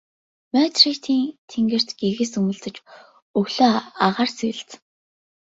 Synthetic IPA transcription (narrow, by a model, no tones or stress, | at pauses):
mœt̪rit̪ʰiːnt̪ʰeŋɡɘ̆r̥t̪ɡ̥eɣĕsɵmɵ̆ɮt͡sɘ̆t͡ɕ | ɵɣɮoːaʁaːrsiːɮt͡s